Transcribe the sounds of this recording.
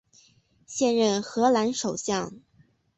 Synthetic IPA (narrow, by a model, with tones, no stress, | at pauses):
ɕjɛ˥˧nɻə˥˩nxɤ˧˥la˧˥nʂo˨˩ʊɕjɑ˥˩ŋ